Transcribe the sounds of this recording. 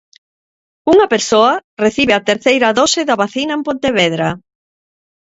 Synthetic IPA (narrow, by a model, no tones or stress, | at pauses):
uŋɐpeɾsoɐreθiβeat̪eɾθejɾɐðɔsɪðaβaθinɐempõnt̪eβeðɾa